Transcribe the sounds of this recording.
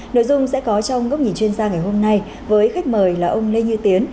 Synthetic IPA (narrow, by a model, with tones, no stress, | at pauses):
no̰˧˨jzʊ˧ŋ͡msɛ̰˧˥kɔ˨˦t͡ɕɔ˧wŋ͡mŋə˦˥k͡p̚ɲi˨˩nt͡ɕwi˧ənzaː˧ŋa˨˩jɦo˧mna˧j | vəː˨˦jxa˦˥jk̟̚məː˨˩jlaː˨˩ʔə˧wŋ͡mle˧ɲɨ˧t̪i˨˦ən